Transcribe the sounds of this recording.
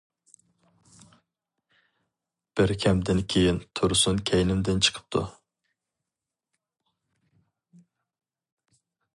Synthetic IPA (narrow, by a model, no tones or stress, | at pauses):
b̥ɪɾkʲʰɛmd̪ɪnkʲʰejint̪ʰuɾsunkʲʰɛjnɪmd̪ɪnt͡ʃʰə̥qʰə̥p̚t̪ʰṵ